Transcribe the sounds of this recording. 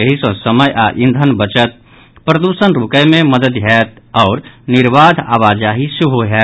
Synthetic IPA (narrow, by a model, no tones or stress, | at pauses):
əɦisə̃səməjʔaʔĩnd̪ʱənbət͡ʃət̪̚ | pɾəd̪usənɾukəjmeməd̪əd̪ɦɛt̪ɔːɾniɾʋad̪ʱa̰ʋad͡ʒaɦisuɦoɦɛ